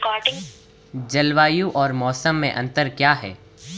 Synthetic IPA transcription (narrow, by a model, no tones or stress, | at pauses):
kɔːɖɪ̃ŋ | d͡ʒɐlʋaːjũʔɔːɾmɔːsəmːẽʔɐ̃nt̪əɾkjaːɦɛ̰ː